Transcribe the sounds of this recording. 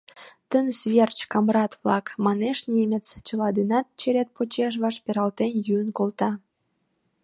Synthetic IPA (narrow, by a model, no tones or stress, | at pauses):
t̪ənsβʲert͡ɕkɑmrɑt̪vlɑkmɑneʃnʲemʲet͡st͡ɕə̆lɑd̪inɑt̪̚t͡ɕeɾʲet̪̚pot͡ɕeʃ̬βɑʃpʲeɾɑlt̪enjyənkolt̪ɑ